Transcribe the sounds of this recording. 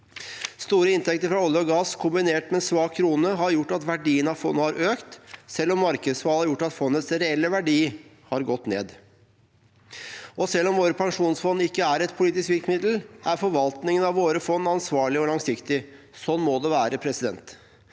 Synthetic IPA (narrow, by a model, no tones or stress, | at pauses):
st̪uːɾəɪnt̪ʰɛk̚t̪əɾfɾɑɔlːɪəɔɡɑːskʰʊmbɪneːʈmɛsʋɑːkkʰɾuːnəɦɑɾjʊʈːɑt̪ʋæɖiːənɑʋfɔnːəhɑɾʔøːkt̪sɛlːɔmːɑɾkəd̪sfɑːlæɾjʊʈːɑt̪fɔnːət̪sɾɛɛlːəʋæɖiː | hɑɾɡɔt̪ːnḛːd̪ | ʔɔsɛlːɔmʋoːɾəpʰɑŋʂuːnsfɔnːɪkːəæɾɛt̪̚pʰʊliːt̪ɪskʋɪlkmɪd̪l̩ʔæɾfɔɾʋɑlt̪nɪŋənɑʋːoːɾəfɔnːɑnsʋɑːɭɪɔlɑŋsɪkt̪ɪ | sɔnːmoːd̪ɛʋæːɾəpʰɾɛsɪd̪ɛ̰nt̪